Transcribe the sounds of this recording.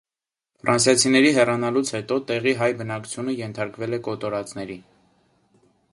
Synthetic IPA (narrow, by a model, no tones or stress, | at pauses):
fɾʔɑnsjɑt͡sʰinɛɾiɦɛrɑnɑlut͡sʰhɛt̪ɔt̪ɛʁiɦɑjbənɑku̥t͡sʰjunəjɛnt̪ʰɑɾkvɛlɛkɔt̪ɔɾɑt͡snɛɾi